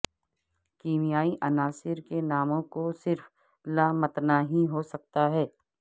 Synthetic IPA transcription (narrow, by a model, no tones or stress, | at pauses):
kiːmijaːiʔɐnaːsɪɾkenaːmõkosɪɾf | laːmɐt̪naɦĩɦosɐk̚t̪aɦɛː